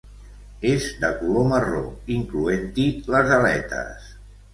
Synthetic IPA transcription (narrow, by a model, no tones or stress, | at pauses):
ezd̪əkuloməro̰iŋkluent̪iləzəlɛ̰t̪ə̰s